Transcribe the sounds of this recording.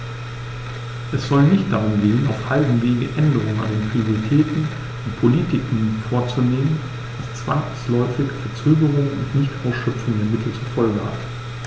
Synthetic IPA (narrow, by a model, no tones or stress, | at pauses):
ʔɛsz̥ɔlnɪçt̚d̥aʁ̞ʊmɡeːəna̰ʊfhaldŋ̩veːɡəʔɛndəʁʊŋəna̰ndeːnpʁ̥ioʁitʰɛːtn̩ | ʊntpʰoliːtɪkŋ̩foːɐt͡suneːmən | d̥ast͡sv̥aŋslɔʏfɪçfɛɐt͡søːɡəʁ̞ʊŋʊ̰ntnɪçtʔaʊsʃœpp͡fʊŋdeːɐmɪtʰl̩t͡suɐfɔlɡəha̰t